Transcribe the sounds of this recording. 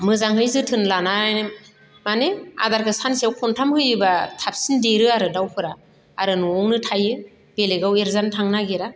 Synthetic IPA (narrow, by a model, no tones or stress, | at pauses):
mɯzaŋɦɯjzɯtʰɯnlanajn | manea̰daɾkʰɯsansiawkʰɔntʰamhɯjɯbatʰap̚sindeɾɯaɾɯdawpʰɯɾa | aɾɯnuɔwnɯtʰajɯ | b̥eleɡaweɾzantʰaŋnaɡeɾa